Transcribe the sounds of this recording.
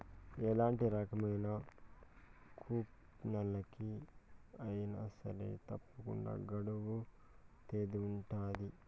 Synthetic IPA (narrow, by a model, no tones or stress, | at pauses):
ɛlaːɳʈiɾɐkɐmɐjnɐ | kʰuːp | nɐlɐki | ɐjnɐ̰sɐ̰ɾḛt̪ɐpːukṵɳɖa̰ːɡɐɽuʋu | t̪eːd̪iːɳʈaːd̪i